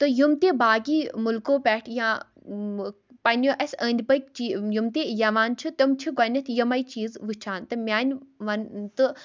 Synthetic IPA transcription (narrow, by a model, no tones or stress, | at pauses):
t̪ɨjumt̪eːbaːɡiːmulkoːpʲɛːʈʰjãː | pɐnʲjoːʔɐsʲəːnʲd̪ʲbɐkt͡ʃijumt̪eːjɐʋaːnt͡ʃʰit̪ɐmt͡ʃʰiɡɐnʲɐt̪ʰjɐmɐit͡ʃiːzʋɨt͡ʃʰaːnt̪ɨmʲaːnʲʋɐnt̪ɨ